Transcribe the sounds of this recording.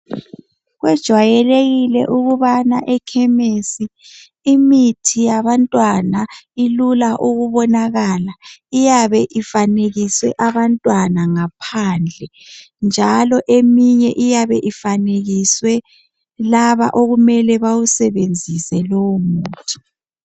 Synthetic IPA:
ɣwɛd̥ʒ̥ʱwajɛleɣilɛ̰ʔuɣuβanaʔɛkʰɛmesiː | mitʰijaβantʼwanailulaʔuɣuβɔnaɣalaijaβɛʔifaneɣiswɛʔaβantʼwanaŋapʰaːnd͡ɮʱɛ | nd͡ʒʱalɔʔemiɲɛʔijaβɛʔifaneɣiswɛ | laβa̰ʔoɣumɛlɛβawusɛβend͡zʱisɛlowumuːtʰi̥

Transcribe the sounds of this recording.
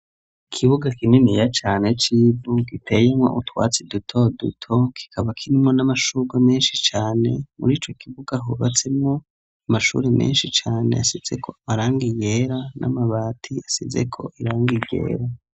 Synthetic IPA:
ikʰiβuɡakininijat͡ʃaːne̞t͡ʃiːvuɡitʰe̞jemŋo̰ʔutwa̰ːt͡sedutʰo̞dṵtʰo̞kʰi̥kʰaβakʰiɾimŋo̞namaʃuɡwameːnʃit͡ʃaːne̞mṵɾiːt͡ʃo̞kʰiβuɡaɦuβat͡se̞mŋo̞ | amaʃṵːɾemḛːnʃit͡ʃaːne̞̰asize̞kʰo̞amaɾaːŋɡije̞ɾanʔa̰maβaːtʰiasize̞̰kʰo̞̰ʔiɾaːŋɡiɟḛːɾa

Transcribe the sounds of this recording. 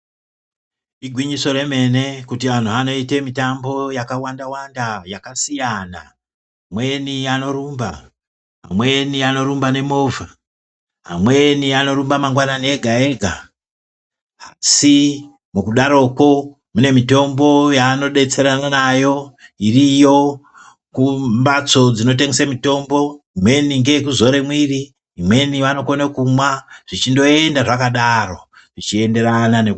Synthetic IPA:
iɡʱwiɲiso̞ɾeme̞ne̞kutiʋan̤uano̞ite̞mitambo̞jakawandawandajakasijana̰ | amwe̞niano̞ɾumba | ɦa̰mwe̞niano̞ɾumbane̞mo̞vʱa | ɦa̰mwe̞niano̞ɾumbamaŋɡwanane̞ɡʱae̞ɡʱa | asi | mukuɗaɾo̞ko̞ | mune̞mito̞mbo̞jaːno̞ɗe̞t͡se̞ɾananajo̞irijo̞ | kumbat͡so̞d͡zino̞t̬eŋɡesamito̞mbo̞imwe̞niŋɡekuzo̞ɾe̞mwiri | imwe̞niʋano̞konekumwaʐ̥it͡ʃindo̞e̞ndaʐakaɗaro̞ | ʐ̥it͡ʃiende̞ɾananek

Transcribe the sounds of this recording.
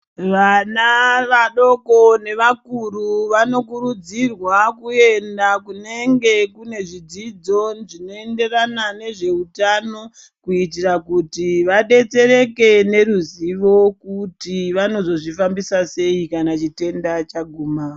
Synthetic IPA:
ʋanaʋaɗo̞ko̞ne̞ʋakuruʋano̞kuɾud͡zirwakue̞ndakune̞ŋɡe̞kune̞ʐid͡zid͡zo̞ʐino̞e̞nde̞ranane̞ʐe̞utano̞ | kuit̬irakutiʋaɗe̞t͡se̞ɾe̞ke̞ne̞ɾuziʋo̞kutiʋano̞zo̞ʐifambisase̞ikanat͡ʃite̞ndat͡ʃaɡʱumaːo

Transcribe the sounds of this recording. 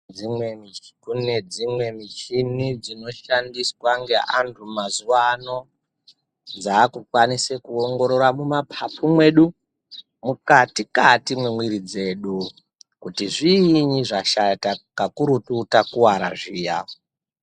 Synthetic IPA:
imwekuned͡zimwe̞mit͡ʃinid͡zino̞ʃandiswaŋɡe̞ʔantʰumazuwano̞ | d͡zaːkukwanisekuoŋɡo̞ɾo̞rwamumapʰapumwe̞ɗu | mukatikatimwemwiɾid͡ze̞ɗu | kutiʐiːɲiʐaʃatakakuɾututakuwaɾa̰ʐiːja̰o

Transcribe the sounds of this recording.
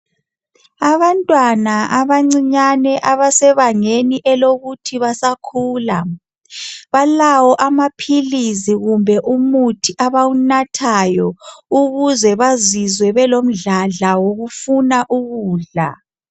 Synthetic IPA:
aβantʼwanaʔaβaŋ͡ǀiɲanɛʔaβasɛβaŋeniʔɛloɣutʰiβasakʰuːla | βalawɔʔamapʰiliziɣumbʱɛʔumutʰiʔaβawunatʰajɔuɣuzɛβazizwɛβɛlom̩ɮaɮawoɣufunaʔuɣuːɮa̰

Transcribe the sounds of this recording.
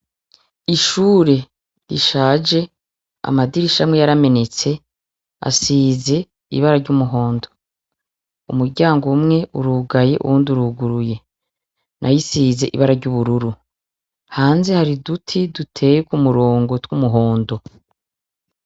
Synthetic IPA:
iʃuːɾe̞ | ɾḭʃaːd͡ʒe̞ | a̰madiɾiʃamŋe̞jaɾame̞ne̞t͡se̞ | a̰siːze̞ | ḭβaɾaɾɟumuɦo̞ːndo̞ | umuɾɟaːŋɡomŋe̞ʔuɾuːɡaje̞ʔṵɾuːnduɾuɡuɾuje̞ | nʔa̰jisize̞ʔḭβaɾaɾɟuːβuɾuɾu | haːnze̞haɾidutʰidutʰe̞ːjekumuɾo̞ːŋɡo̞twumuɦo̞ːndo̞

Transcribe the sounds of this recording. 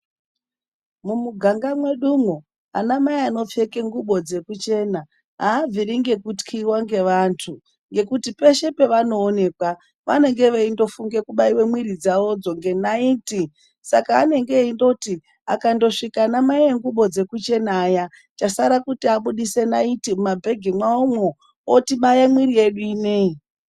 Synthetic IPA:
mumuɡʱaŋɡamwe̞ɗumo | a̰namaiano̞p͡fe̞ke̞ŋɡuɓo̞d͡ze̞kut͡ʃe̞ːna | ɦaːviɾiŋɡe̞kutkʰiwaŋɡe̞ʋantʰu | ŋɡe̞kutipe̞ʃe̞pe̞ʋano̞ːne̞kwa | ʋa̰ne̞ŋɡe̞ʋeindo̞fuŋɡe̞kuɓaiwe̞mwiɾid͡zao̞d͡zo̞ŋɡe̞naiːti | sakaːne̞ŋɡe̞indo̞ti | a̰kando̞ʂikanamaieŋɡuɓo̞d͡ze̞kut͡ʃe̞naːja | t͡ʃasaɾakutiaɓuɗise̞naitiumabʱe̞ɡʱimwaomwo | otiɓajemwiɾie̞ɗuiːne̞i

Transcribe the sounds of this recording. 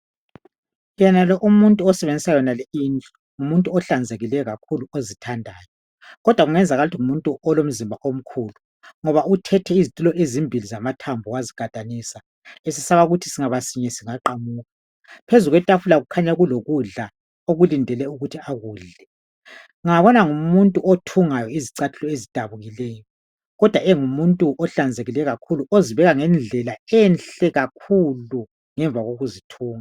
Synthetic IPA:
jɛnalɔʔumuntʼuɔsɛβend͡zʱisajɔnalɛint͡ɬʼɔ̥ | ŋumuntʼuɔɬand͡zʱeɣilɛjɔɣakʰuluozitʰandʱaːjɔ | ɣɔd̥ʱwaɣuŋɛnd͡zʱaɣalutʰiŋumuntʼuʔɔlom̩zimbʱaʔom̩kʰuːlu | ŋɔβautʰɛtʰɛizitʼulɔʔezimbʱilizamatʰambʱɔwaziɡ̥ʱatʼanisa | esisaβaɣutʰi̥siŋaβasiɲɛsiŋaǃamuːɣa | pʰezuɣwɛtʼafulaɣukʰaɲaɣuloɣuɮa | oɣulindʱɛlɛuɣutʰiaɣuːɮɛ | ŋaβɔnaŋumuntʼuʔotʰuŋajɔiziǀatʰu̥lɔezid̥ʱaβuɣilɛːjɔ | ɣɔd̥ʱwaɛŋumuntʼuʔɔɬand͡zʱeɣilɛɣakʰuluʔoziβɛɣaŋɛnd͡ɮʱɛlaɛnɬɛɣakʰulu | ŋɛɱb̪vʱaɣoɣuzitʰuːŋa

